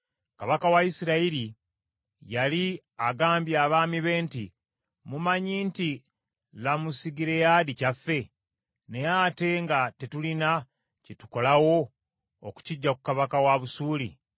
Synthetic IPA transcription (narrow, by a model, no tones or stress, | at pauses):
kaβakawaisiɾaiɾi | jali | aɡaːmbjaβaːmiβe̞ːntḭ | mumaɲiːnti | lamusiɡiɾe̞jadicafːe̞ | ne̞jate̞ŋɡate̞tulina | cetu̥ko̞lawo̞ | oku̥ciɟːakukaβakawaβusuːlḭ